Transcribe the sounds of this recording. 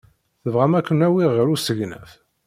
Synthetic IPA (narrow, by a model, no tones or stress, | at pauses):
θəvʁæmækʷːənæwiʁəɾusəʝnæ̰f